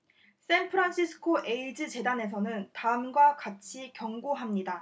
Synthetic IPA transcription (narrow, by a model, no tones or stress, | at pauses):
s͈enpʰɯɾanɕʰisʰɯ̥kʰoʔe̞id͡ʑɯt͡ɕe̞dane̞s̬ʰʌnɯntaɯmɡwakat͡ɕʰikjʌŋɡoɦamɲida